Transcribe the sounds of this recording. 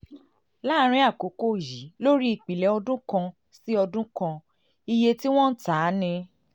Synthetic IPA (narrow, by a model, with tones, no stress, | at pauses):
la˦ɾ̃ĩ˧˦a˦˨ko˨˦ko˦˨ji˨˦lo˦ɾi˦i˨k͡pi˨lɛ˨˦ɔ˧dũ˦kã˧ | si˦ɔ˧dũ˦kã˧ | i˧je˧ti˦w̃ɔ̃˦n̩˦taː˨˦nĩ˧